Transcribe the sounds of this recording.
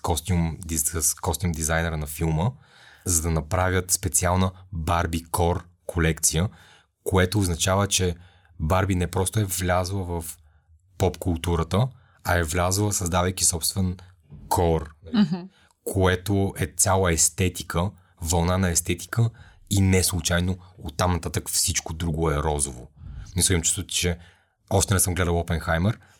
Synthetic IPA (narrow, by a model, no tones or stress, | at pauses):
kɔst̪iumd̪ikɔst̪iumd̪izajnɛɾənɐfilˠmə | zɐd̪ɐnɐpɾavʲət̪spɛt̪sialˠnəbaɾbikɔɾ | kʰolɛkt̪sijə | koɛt̪oːznɐt͡ʃavət͡ʃɛ | baɾbinɛpɾɔst̪oɛvlʲazlˠəvɐf | pɔpkulˠt̪uɾət̪ə | ɐɛvlʲazlˠəsɐzd̪avəjkʲisɔpst̪vɛn | kʰɔɾnɐi | kʰoɛt̪oɛt̪sʲalˠəɛst̪ɛt̪i̥kʰə | vɐlˠnanɐɛst̪ɛt̪i̥kəinɛslˠut͡ʃajnoot̪ːamnɐt̪at̪əkfsit͡ʃkod̪ɾuɡʊɛɾɔzovo̰nisimmt͡ʃu̥st̪ot͡ʃɛ | ɔʃt̪ɛnɛsəmɡlɛd̪əlˠɔpɛnxajmɛɾ